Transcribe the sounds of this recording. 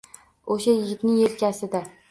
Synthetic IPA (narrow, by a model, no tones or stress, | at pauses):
oʃajɪɡʲɪt̪nɪŋelkʲʰasɪd̪a